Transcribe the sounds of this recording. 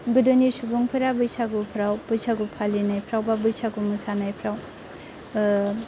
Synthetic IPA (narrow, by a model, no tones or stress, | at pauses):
ɡɯdɯnisubuŋpʰɯɾabɯjsaɡupʰɾawb̥ɯjsʰaɡupʰalinajpʰɾawbabɯjsaɡumɯsanajpʰɾaw